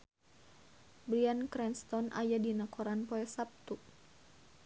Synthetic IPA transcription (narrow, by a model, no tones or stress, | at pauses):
bɾiankɾɛnst̪ɔnʔa̰jadinakʰɔɾanpɔɛsap̚t̪u